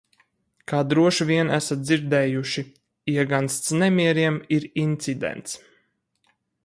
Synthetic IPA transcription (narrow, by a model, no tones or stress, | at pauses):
kaːd̪ɾuɔʃviɛnæsat̪̚d̪ziɾd̪ɛːjuʃi | iɛɡanst̪snɛmiɛɾiɛmiɾint̪sid̪ɛ̰nt̪s